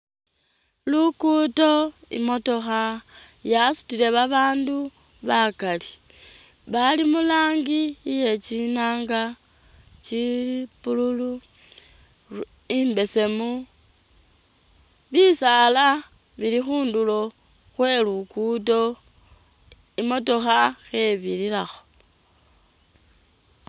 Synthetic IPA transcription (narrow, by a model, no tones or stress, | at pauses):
lukuto̞ḭmo̞to̞xa | jasu̥tile̞βaβaːndu | βakali | βalimulaːŋɡije̞t͡ʃinaːŋɡa | t͡ʃipululu | imbe̞se̞mu | βisala | βilixuːndulo̞ | xwe̞lukuto̞ | imo̞to̞xaxe̞βililaxo̞